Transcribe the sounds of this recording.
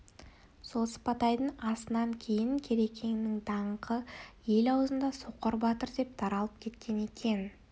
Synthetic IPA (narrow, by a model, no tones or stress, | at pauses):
so̞lˠsə̥pɑt̪ɑjd̪əɴɑsənɑŋkʲʰe̞jɪŋkʲʰe̞ɾe̞kʲʰe̞ŋɪnɪŋt̪ʰɑɴqəje̞lɑwzənd̪ɑsoqːəɾbɑt̪əɾd̪e̞p̚t̪ʰɑɾɑlˠəp̚kʲʰe̞t̪kʲʰe̞ne̞kʲʰe̞n